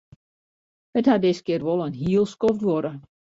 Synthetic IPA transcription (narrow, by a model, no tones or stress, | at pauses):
həthadɪskɪərʋɔlˠənɦiəlˠskɔftʋɔɾə